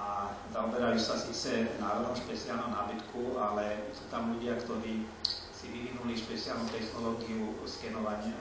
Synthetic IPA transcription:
azaɔbɛɾajusasiːt͡sɛnaːɾɔd̪nɔmʃpɛt͡sialnɔmnaːbit̪kʰualɛsuːt̪amʎuɟɪakt̪ɔɾiː | siʋiʋinuliʃpɛt͡sialnut̪ɛxnɔlɔːɡiuskɛnɔʋaɲɪa

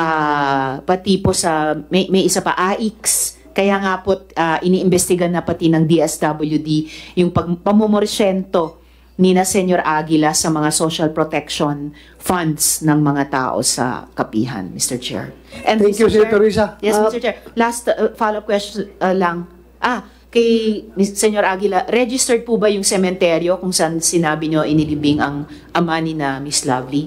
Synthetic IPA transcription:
ʔa | pɐt̪iposɐmɐjmɐjʔɪsapɐʔaːʔiks | kɐjaːŋapo̞t̪̚ʔɐʔɪniːʔɪmbɛst̪ɪɡanɐpɐt̪inɐŋd̪iʔɛsd̪ɐbɐljud̪ijʊŋpɐɡ̚pɐmomoɾsɛnt̪o̞ | ninɐsɛɲjoɾʔaːɡɪlɐsɐmɐŋasoʃɐlpɾot̪ɛkʃon | fɐnd̪snɐŋmɐŋat̪a̰ːʔo̞̰sɐ̰kɐpḭːɦɐ̰nmist̪ɛɹt͡ʃɛ̰ɹ | ʔɛnɛkjusɛt̪oɾisɐjɛmst̪ɛt͡ʃɛɹlast̪falov̚kwɛst͡ʃonʔɐlɐŋ | ʔa | kɐjmsɛɲoɾʔaːɡɪlɐɾɛd͡ʒɪst̪ɛɹd̪̚pubɐjʊŋsɛmɛnt̪ɛɾjo̞kʊŋsɐʔansɪnaːbɪɲo̞ʔɪnɪlɪbɪŋɐŋ | ʔɐmanɪnɐmislɐvli

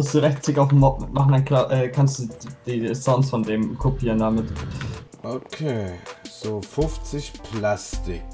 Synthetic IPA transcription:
ʊstd̥uːʁɛçtt͡sɪkaʊfm̩mɔpmaχn̩aɪnkʰlaːʔɛːkʰanstd̥uːd̥iːɛstansfɔndeːmkʰopʰiːʁəndamɪt | ʔokʰeːz̥oːfʊft͡sɪçpʰlastɪk̚

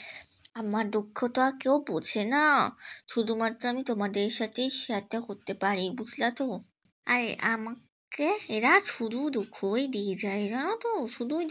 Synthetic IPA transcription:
amaɾd̪okʰːot̪ɔakewbot͡ɕʰenaʃud̪ʱumat̪ːɾoamit̪omad̪eɾʃat̪ʰejʃeat̪ːakoɾt̪epaɾibud͡ʑʱlat̪o | aɾḛʔama | keeɾaʃud̪ʱud̪ukʰːojd̪ied͡ʑajeɾanot̪oʃud̪u

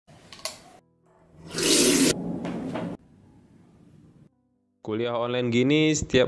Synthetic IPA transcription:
kuliaɦɔnlanɡinisə̥t̪ia

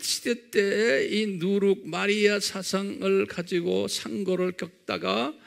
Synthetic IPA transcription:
ɕʰi̥det͈einuɾuk̚maɾiasʰasʰaŋɯɭkad͡ʑiɡosʰaŋɡʌɾɯɭkjʌk̚t͈a̰ɡa

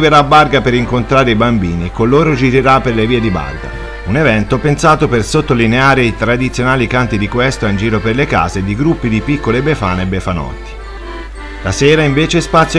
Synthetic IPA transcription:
veɾaːbːarɡapeɾiŋkont̪ɾaːɾeibambiːnikolːoːɾod͡ʒiɾeɾapːerleviːed̪iba̰rɡa̰ | unevɛnt̪opensaːt̪opersot̪ːolineaːɾeit̪ɾad̪it̪sːjonaːlikant̪id̪ikwɛst̪aind͡ʒiːɾoperleka̰ːzed̪iɡɾupːid̪ipikːolebefa̰ːnebːefanɔ̰t̪ːi̥ | laseːɾaiɱveːt͡ʃespat̪sːjo

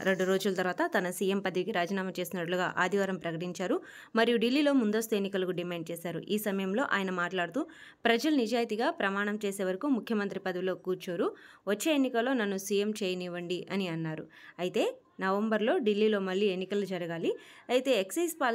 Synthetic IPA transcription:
ɾe̞ɳɖuɾo̞ːd͡ʒulɐt̪ɐɾʋaːt̪ɐt̪ɐnɐsije̞mpɐd̪ɐʋikiɾaːd͡ʒiːnaːmɐt͡ʃe̞ːsinɐʈluɡa̰ːʔa̰ːd̪ʱiʋaːɾɐmpɾɐkɐʈiɲt͡ʃaːɾu | mɐɾijuɖilːiːlo̞ːmund̪ost̪ue̞nːikɐlɐkuɖimaːɳɖ̚t͡ʃɛːsaːɾṵʔiːsɐmɐjɐmlo̞ːʔa̰ːjɐnɐmaːʈlaːɽut̪u | pɾɐd͡ʒɐlunid͡ʒaːjɐt̪iɡaːpɾɐmaːɳɐmt͡ʃeːseːʋɐɾɐkumukʰjɐmɐnt̪ɾipɐd̪ɐʋilo̞ːkuːɾt͡ʃoːɾu | ʋɐt͡ʃːe̞ːenːikɐlo̞ːnɐnːusijemt͡ʃeːjɐniːʋɐɳɖiʔɐniɐnːaːɾṵɐjit̪e̞ː | nɐʋɐmbɐɾlo̞ːɖilːiːlo̞ːmɐɭːiːe̞nːikɐlːud͡ʒɐɾɐɡaːliɐjt̪e̞ːeksɐːspaːl

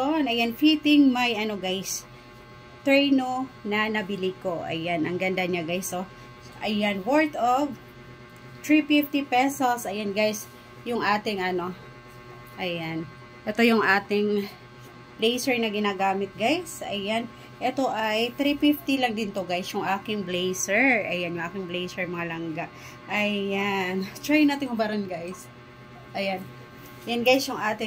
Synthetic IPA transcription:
onɐjanfit̪ɪŋmɐjʔɐno̞ɡajs | t̪ɹɛjnonɐnɐbɪliko̞ʔɐ̰janʔɐŋɡɐnd̪ɐɲaɡajso | ʔɐjanwɔɹt̪ov | t̪ɹifift̪ipɛsosʔɐjanɡajs | jʊŋʔaːt̪ɪŋʔɐno̞ | ʔɐjan | ʔɛt̪o̞jʊŋʔaːt̪ɪŋ | blejsɛɹnɐɡɪnaːɡaːmɪt̪̚ɡajsɐ̰jan | ʔɛt̪o̞ʔɐjt̪ɾifɪft̪ilɐŋd̪ɪnt̪oɡajsjʊŋʔaːkɪŋblejsɛɹʔɐjanjʊŋʔaːkɪŋblejsɛɹmɐŋalɐŋɡaʔ | ʔɐjant̪ɹajɪnaːt̪ɪŋhʊbɐɾɐnɡajs | ʔɐjan | janɡajsjʊŋʔaːt̪ɪ

